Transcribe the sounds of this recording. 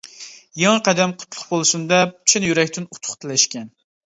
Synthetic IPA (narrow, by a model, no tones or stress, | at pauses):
jɑŋqæd̪ɛmqʰʊ̥t̪ʰlˠʊ̥χbolˠɨsund̪ɛpt͡ʃʰɪnjyɾɛkʲt̪ʰɪnut̪ʰʊ̥χt̪ʰɨlɛʃkʲɛn